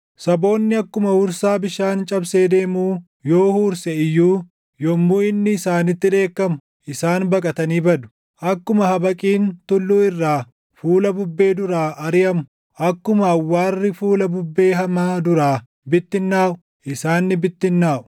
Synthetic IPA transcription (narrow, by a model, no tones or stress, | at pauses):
sɐbo̞ːnːɪɐkːʊmɐhuɾsaːbɪʃaːnt͡ʃʼɐbseːd̪e̞ːmuː | jo̞ːhuːɾsɛɪjːuː | jɔmːuɪnːɪːsaːnɪt̪ːɪᶑe̞ːkːɐmʊ̥ | ʔɪsaːnbɐkʼɐt̪ɐniːbɐd̪ʊ̥ | ʔɐkːʊmɐhɐbɐkʼiːnt̪ʊlːuːɪrːaː | fuːlɐbʊbːe̞ːd̪ʊɾaːʔɐɾɪjɐmʊ | ʔɐkːʊmɐːwːaːrːɪfuːlɐbʊbːe̞ːɦɐmaːd̪ʊɾaː | bɪt̪ːɪnːaːʔʊ̥ | ʔɪsaːnːɪbɪt̪ːɪnːaːʔʊ̥